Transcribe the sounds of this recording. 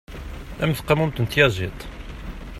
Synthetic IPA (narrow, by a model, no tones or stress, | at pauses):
ʔæmθqːɑmumt̪ənt̪jɑʒit̪ˤ